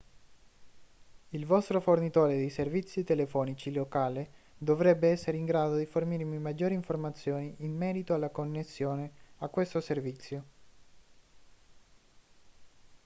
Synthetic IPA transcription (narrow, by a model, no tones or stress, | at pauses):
ilvɔst̪ɾofornit̪oːɾed̪ejservit̪sːit̪elefɔːnit͡ʃilokaːle | d̪ovɾɛbːeɛsːeɾiŋɡɾaːd̪od̪iformirmimad͡ʒːoːɾiɱformat̪sːjoːniʔːnːɛːɾit̪oalːakonːesːjoːneakːwest̪oservit̪sːjo